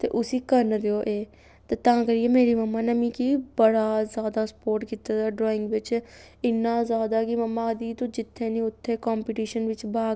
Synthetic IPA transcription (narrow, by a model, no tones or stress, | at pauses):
t̪ḛːʔʊsiːkəɾnd̪eoːʔeː | t̪eːt̪ãːkəɾijeːmeːɾiːməmːãːnəmĩːkibəɽaːzjaːd̪aːsə̥poːɾʈkiːt̪aːd̪aːɖɾɔːɪ̃ŋɡʋɪt͡ʃ | ɪnːãːzjaːd̪aːkiməmːãːd̪iːt̪õːd͡ʒɪt̪ʰːeːnĩːʊt̪ʰːeːkɔːmpiːʈiːʃənʋɪt͡ʃbaːɡ